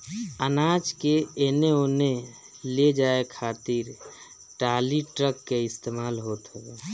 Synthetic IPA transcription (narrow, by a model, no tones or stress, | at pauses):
ənaːd͡ʒkeeneoːne | led͡ʒaːekʰaːt̪iɾ | ʈaːliʈɾəkːeɪst̪emaːlɦoːt̪ɦɛɡa